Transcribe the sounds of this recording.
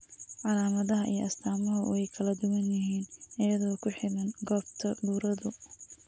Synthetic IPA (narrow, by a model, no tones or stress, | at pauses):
ʕɑlaːmɐðɐɦɐʔḭjʔɐst̪ʰaːmɐɦʊɛjkʰɐlɐd̪ʊwɐnjɪɦiːnʔɪjɐðɔːkʰʊħɪðɐnɡɔːbt̪ʰɐd̪uːɾɐðʊ